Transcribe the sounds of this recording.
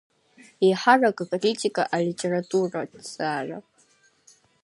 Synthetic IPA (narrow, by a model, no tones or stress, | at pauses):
iħarakʼakʼritʰʼikʼaʔalitʼe̞ratʼuradz̥aːra̰